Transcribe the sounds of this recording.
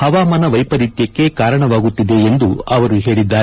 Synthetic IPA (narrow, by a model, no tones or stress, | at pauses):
hɐʋaːmɐnɐʋɐjpɐɾit̪jɐkːe̞kaːɾɐɳɐʋaːɡut̪ːid̪e̞ːnd̪uɐʋɐɾuɦe̞ːɭid̪ːaː